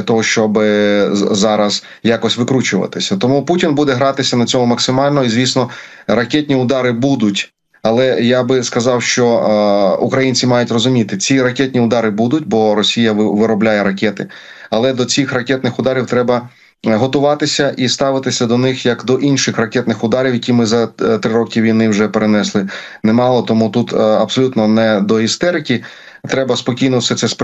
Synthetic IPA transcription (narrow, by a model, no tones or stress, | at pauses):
ɐt̪ɔɦɔʃt͡ʃɔb | zɑɾɐz | jɑkɔsʲʋɪkɾut͡ʃʊʋɐ̰t̪ɪsʲɐt̪ɔmuputʲinbud̪ɛɦɾɑt̪ɪsʲɐnɐt͡sʲɔmʊmɐksɪmɑlʲnɔɦɔizʲʋʲisnɔ | rɐkʲɛtʲnʲiʊd̪ɑɾɪbud̪ʊtʲ | ɐlˠɛjabɪskɐzɑwʃt͡ʃɔ | ʊkɾɐjinʲt͡sʲimɑjʊtʲrɔzʊmʲit̪ɪt͡sʲiɾɐkʲɛtʲnʲiʊd̪ɑɾɪbud̪ʊtʲbɔɾɔsʲijɐʋɪɾɔblʲajɛɾɐkʲɛt̪ɪ̰ | ɐlˠɛd̪ɔt͡sʲixrɐkʲɛt̪nɪxʊd̪ɑɾʲiwt̪ɾɛbɐ | ɦɔt̪ʊʋɑt̪ɪsʲɐʔist̪ɑʋɪt̪ɪsʲɐd̪ɔnɪxjɐkd̪ɔʔinʃɪxrɐkʲɛt̪nɪxʊd̪ɑɾʲiwjɐkʲimɪzɐt̪ɾɪɾɔkʲiʋʲijnɪwʒɛpeɾenɛslˠɪnɛmɑlˠɔt̪ɔmut̪ut̪ɐbsɔlʲut̪nɔnɛd̪ɔist̪ɛɾɪkʲi | t̪ɾɛbɐspɔkʲijnɔwsɛt̪sɛsp